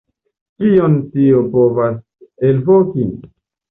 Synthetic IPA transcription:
kiontiopovas | elvoki

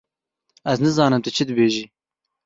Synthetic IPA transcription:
ɐznɨzɑːnɨmt̪ɨt͡ʃʰɪd̪ɨbeːʒiː

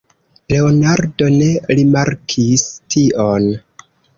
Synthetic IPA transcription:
le̞onaɾdo̞ne̞ɾimaɾkʰistʰiʔon

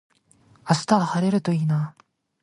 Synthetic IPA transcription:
asɨ̥t̪aβahaɾe̞ɾɯ̟t̪o̞iːna

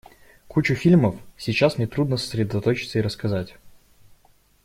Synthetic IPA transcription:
kut͡ɕʊfʲilʲməfsʲit͡ɕːasnʲɪt̪ɾud̪nəsə̥sʲɾʲɪd̪ɐt̪ot͡ɕɪ̥t̪səiɾəskɐzatʲ

